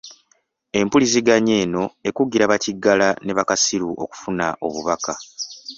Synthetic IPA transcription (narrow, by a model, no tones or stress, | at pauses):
e̞mpuliziɡaɲe̞ːno̞e̞kuɡiɾaβaciɡːalane̞βakasiɾuʔo̞̰ku̥funa̰ʔo̞̰βuβaka